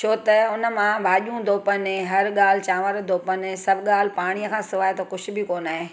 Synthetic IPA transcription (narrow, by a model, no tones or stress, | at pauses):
t͡ʃʰoːt̪ɐʊnə̆mãbaːʄũd̪ʱoːpəneɦɐɾɠaːl̤ɪt͡ɕãːʋəɾd̪ʱoːpənsɐbʱɠaːl̤paːɽ̃ijəkʰãːsɪʋaːet̪ʰokʊʃʰʊ̆bʱɪkoːnaːɦeː